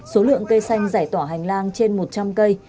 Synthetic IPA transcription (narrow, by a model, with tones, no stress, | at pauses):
so˨˦lɨ̰˧˨əŋkə˧jsa˧jŋ̟zaː˧˩jt̪waː˧˩ɦa˨˩jŋ̟laː˧ŋt͡ɕe˧nmo˨˩t̚t͡ɕa˧mkə˧j